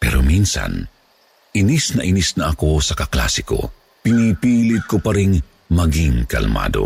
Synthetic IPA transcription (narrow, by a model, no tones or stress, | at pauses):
pɛ̰ɾominsɐ̰n | ʔɪnisnɐʔɪnisnɐʔɐko̞sɐkɐkla̰ːsɪko̰ | pɪnipiːlɪt̪̚kopɐɾɪŋ | mɐɡiŋkɐ̰lma̰ːd̪o̰